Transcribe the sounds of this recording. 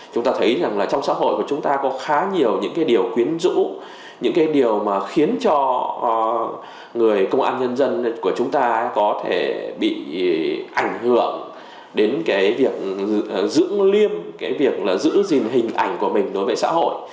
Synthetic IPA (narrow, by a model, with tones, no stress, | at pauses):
t͡ɕʊ˨˦ŋ͡mt̪aː˧t̪ʰə˨˦jza˨˩ŋlaː˨˩t͡ɕɔ˧wŋ͡msa̰ː˧˥ɦo̰˧˨jku˧˩t͡ɕʊ˨˦ŋ͡mt̪aː˧kɔ˨˦xaː˨˦ɲi˨˩əwɲɨ̰˧˥ŋkaː˨˦jɗi˨˩əwkwi˨˦ənzɨ̰˧˥ | ɲɨ̰˧˥ŋkaː˨˦jɗi˨˩əwmaː˨˩xi˨˦ənt͡ɕɔ˧˨ | ŋɨ˨˩əjkə˧wŋ͡mʔa̰ː˧nɲə˧nzə˧nku˧˩ət͡ɕʊ˨˦ŋ͡mt̪aː˧kɔ˨˦t̪ʰe˧˩ɓḭ˧˨ʔa˧˩jŋ̟hɨ˧˩˨əŋ | ɗe˨˦nkaː˨˦jvi˨˩ək̚zɨ̰˧˥əŋli˧əmkaː˨˦jvi˨˩ək̚laː˨˩zɨ̰˧˥zi˨˩nɦï˨˩ŋ̟ʔa̰˧˩jŋ̟ku˧˩əmï˨˩ŋ̟ɗo˨˦jvəː˨˦sa̰ː˧˥ho̰˧˨j